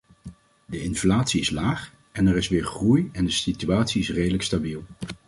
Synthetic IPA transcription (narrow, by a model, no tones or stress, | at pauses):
dəɪnflaːtsiɪslaːχ | ɛnɛɾɪsʋɪːɹχrujɛndəsityaːtsiɪsrejdələkstabilˠ